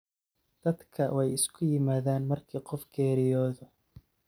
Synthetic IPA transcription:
d̪̥ɐd̪kʰɐwɛjɪskʰʊjɪmaːðaːnmɐrkʰiːqɔfɡɛːɾɪjɔːðɔ

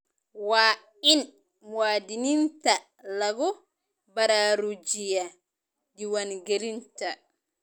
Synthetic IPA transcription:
waː | in | mwaːdininta | laɡɔ | baɾaɾud͡ʒija | diwanɡeɾinta

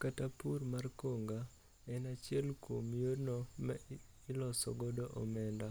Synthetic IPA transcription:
katapurmarkoŋɡa | ɛnat͡ʃjɛlkomjornɔmɛ | ɪlɔsɔ̰ɡɔdoʔɔmɛnda

